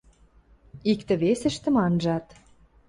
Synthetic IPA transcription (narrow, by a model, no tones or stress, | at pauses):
ikt̪ə̆βesĕʃt̪ə̆mɑnʒɑt̪